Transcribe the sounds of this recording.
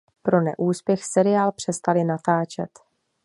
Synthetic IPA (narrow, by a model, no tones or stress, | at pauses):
pɾo̞nɛ̰ʔuːspjɛxsɛɾɪjaːlpr̝̥ɛst̪alɪnat̪aːt͡ʃɛt̪